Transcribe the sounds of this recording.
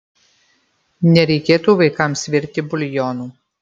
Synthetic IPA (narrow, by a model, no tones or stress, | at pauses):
nʲɛɾʲɛɪkʲeːt̪uːʋɐɪkɑˑmsʲʋʲɪɾʲt̪ʲɪbʊlʲjɔːnuː